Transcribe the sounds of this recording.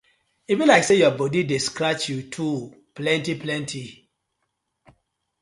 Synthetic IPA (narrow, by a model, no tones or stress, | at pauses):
ivĩnlaɪksejɔbɔdidiskɾat͡ʃjutʰu | plɛ̃ntiplɛ̃ntʰi